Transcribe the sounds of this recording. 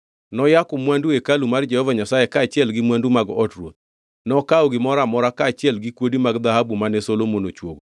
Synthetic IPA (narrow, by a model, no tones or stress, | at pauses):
nɔjakʊmwanduekalumard͡ʒɛhɔvaɲasajekaːt͡ʃɪɛlɡɪmwandumaɡɔtrwot̪̚ | nɔkaɔɡɪmɔɾamɔɾakaːt͡ʃɪɛlɡɪkwodimaɡd̪aɦhabumanesolomonot͡ʃwo̰ɡo